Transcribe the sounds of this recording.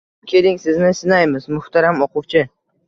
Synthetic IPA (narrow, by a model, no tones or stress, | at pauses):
kʲʰe̞lɪŋsɪznɪsɪnajmɪzmʊht̪ʰaɾamɒqʊwt͡ʃʰɪ